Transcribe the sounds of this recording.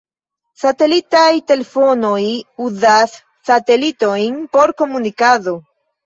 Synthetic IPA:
sat̪elit̪ait̪elefonoiuðas | sat̪elit̪ojŋpoɾkomunikaðo

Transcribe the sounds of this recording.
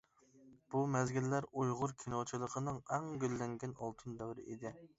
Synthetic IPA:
b̥umɛzɡʲilːæɾujʁʊɾkʲʰinot͡ʃʰilˠəqʰənɨŋɛŋɡʲølːɛŋɡʲɛnolˠt̪ʰɨnd̪ɛwɾɪ̰id̪ɪ

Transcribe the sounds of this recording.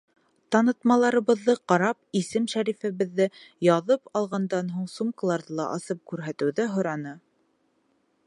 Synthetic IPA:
t̪ɑnɤ̆t̪mɑlˠɑɾɤ̆βɤ̆ðːɤqɑɾɑp̚isɘmʃæɾifɘ̆βɘ̆ðːɘjɑðɤpɑlˠʁɑnd̪ɑnɦuɴsumkə̆lˠɑɾðɤlˠɑ̰ʔɑsɤp̚kʉɾɦæt̪ɘ̆wðɘɦŏɾɑnɤ

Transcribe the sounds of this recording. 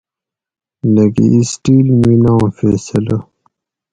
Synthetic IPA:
neɡḭʔisʈiːlminãfeːselo

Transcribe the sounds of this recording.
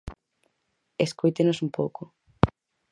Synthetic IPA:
eskojt̪enosumpowkʊ

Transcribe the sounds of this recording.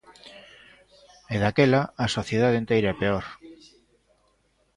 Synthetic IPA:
eðakelaːsoθjeð̞aðent̪ejɾaɛpeoɾ

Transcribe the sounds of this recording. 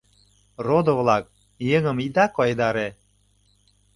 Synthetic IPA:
rod̪ovlɑk̚ | jəŋəmid̪ɑkojd̪ɑɾe

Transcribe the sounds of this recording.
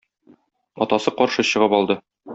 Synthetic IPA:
ɒ̰t̪ɑsɤqɒɾʃɤɕɤ̆ʁɤpɒlˠd̪ɤ

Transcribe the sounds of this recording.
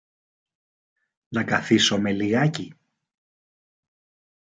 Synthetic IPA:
nɐkɐθiso̞me̞liɣɐci

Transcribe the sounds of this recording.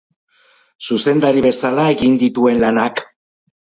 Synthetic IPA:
suse̞nd̪aɾiβe̞salaeɣind̪it̪ue̞nlanak

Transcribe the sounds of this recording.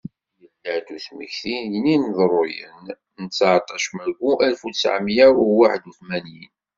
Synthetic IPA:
jəlːəʕd̪uθmə̰çθinjəninðˤɾˤojə̰n | nət͡sːʕt̪ˤɑʃmæɾɡʷuʔælfusʕmjæʊɾwaħd̪uθmænjin

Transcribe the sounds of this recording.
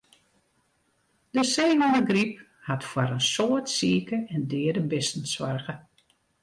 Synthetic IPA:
d̥əseːvɔndəɡrip | hatfwaɾənsoətsiːkəɛndɪːədəbɪstən̩swarɣə

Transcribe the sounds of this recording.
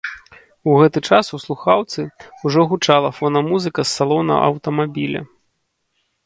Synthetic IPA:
uɣɛt̪ɨt͡ʂasuslˠuxawt̪sɨuʐɔɣut͡ʂalˠɐfɔnɐmuzɨkɐsːalˠɔnɐ̰ʔɐ̰wt̪ɐmabʲilʲɐ̰

